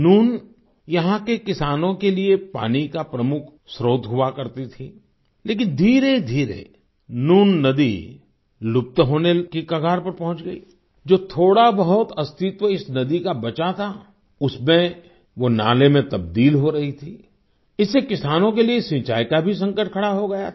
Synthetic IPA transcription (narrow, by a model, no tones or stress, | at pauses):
nuːn | jɐɦãkekɪsaːnõkeliepa̰ːnikapɾɐmʊkʰ | sɾoːd̪ʱɦʊakɐɾt̪it̪ʰi | leːk̬ɪnd̪ʱiːɾed̪ʱiːɾḛ | nuːnːɐd̪ḭ | lʊp̚t̪ɦoːnekikɐɡʱaːɾpɐɾpɐ̃ɦʊ̃t͡ʃɡɐḭː | d͡ʒoːt̪ʰoːɽabɐɦʊt̪ɐst̪ʰɪt̪ʋəɪsnɐd̪ikabɐt͡ʃat̪ʰa | ʊsmẽ | ʋona̰ːlemẽt̪ɐb̚d̪iːlɦoɾɐɦit̪ʰiː | ɪsːekɪsaːnõkeliesĩt͡ʃaːikabʱis̬ɐ̃ŋkəʈ̚ʰkʰɐɽaɦoɡɐja̰